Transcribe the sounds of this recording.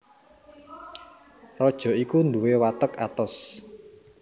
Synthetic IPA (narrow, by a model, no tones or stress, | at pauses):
rɔd̥ʒ̥ɔ̤ikund̪uwewat̪əka̰t̪ɔs